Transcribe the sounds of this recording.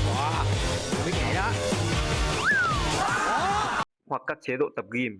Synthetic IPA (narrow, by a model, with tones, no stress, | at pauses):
ɔ˨˦˨ki˦˥k̚na˨˩jɗɔ˨˦˧ | hwa˨˩kːaː˦˥k̚t͡ɕe˨˦ɗo̰˧˨t̪ə˨˩p̚ɣi˧˩m